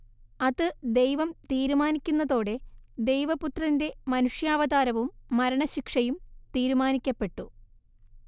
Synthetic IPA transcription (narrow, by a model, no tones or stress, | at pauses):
ɐðɨd̪e̞jʋɐmt̪iːɾumaːnikʲːunːɐðo̞ːɽe̞d̪e̞jʋɐput̪rɐnde̞mɐnuʂjaːʋɐðaːɾɐʋumːɐɾɐɳɐɕikʂɐjumt̪iːɾumaːnikʲːɐpːe̞ʈːu